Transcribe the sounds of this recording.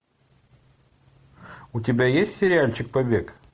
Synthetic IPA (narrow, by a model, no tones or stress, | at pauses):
ʊtʲɪbʲajesʲtʲsʲɪɾʲɪalʲt͡ɕɪk̚pɐbʲek